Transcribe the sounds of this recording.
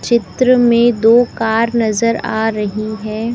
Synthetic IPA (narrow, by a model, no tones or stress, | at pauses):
t͡ʃɪt̪ɾəmẽd̪oːkaːɾnɐzəɾa̰ːɾɐɦiɦɛː